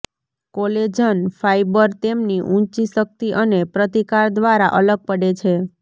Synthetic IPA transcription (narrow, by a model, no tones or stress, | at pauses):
koled͡ʒənfajbəɾt̪emniʔũt͡ʃisək̚t̪iʔənepɾət̪ikaɾd̪ʋaɾaʔələɡ̚pəɽet͡ʃʰe